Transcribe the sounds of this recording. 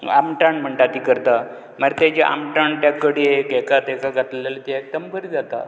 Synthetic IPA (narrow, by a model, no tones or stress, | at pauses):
a̰mʈaɳm̤əɳʈat̪ikəɾt̪a | maɾet̪ed͡ʑeʔa̰mʈaɳʈjakːəɽiekekat̪ekaɡʱat̪llalət̪eek̚t̪əmkəɾid͡zat̪a̰